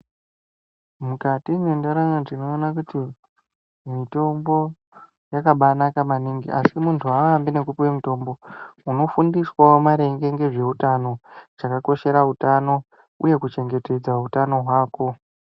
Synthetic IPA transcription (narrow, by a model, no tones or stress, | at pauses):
mukatinendaɾaŋaʐino̞ːnakuti | mito̞mbo̞ | jakaɓanakamaniŋɡiʔasimuntʰuaʋambine̞kupiwe̞mito̞ːmbo̞uno̞fundiswaomaɾe̞ŋɡe̞ŋɡe̞ʐe̞utano̞t͡ʃakako̞ʃe̞ɾautano̞ | ṵje̞kut͡ʃe̞ŋɡe̞te̞d͡zautano̞ɦwaːko̞